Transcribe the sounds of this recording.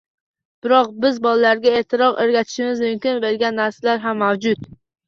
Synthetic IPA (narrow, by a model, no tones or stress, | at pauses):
b̥ɪɾɒq̚bɪzbɒlalaɾɡʲaeːt̪ʰɪɾɒqeɾɡʲat̪ʰɪ̥ʃɪmɪzmʊmkʲɪnbelɡʲanːaɾsalaɾɦamːawd͡ʒʊt̪